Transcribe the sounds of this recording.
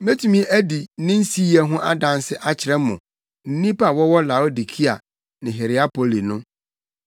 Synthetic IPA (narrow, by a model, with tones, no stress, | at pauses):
me˦tʰu˨mĩ˦˨ʔæ˦di˨˦nɪ̃˦n̩˦si˦ɛ˨˦ɦʊ̃˦ʔa˦dã˨n˦sɪ˦ʔa˦t͡ɕʰɪ˨ɾɛ˦mʊ̃˨ | n̩˦nĩ˦pa˨wɔ˦wɔ˦la˨o˦di˨kʰi˦a̰˨ | nɪ̃˨ɦe˨ɾɪ˨a˦pʰo˨li˨nʊ̃˦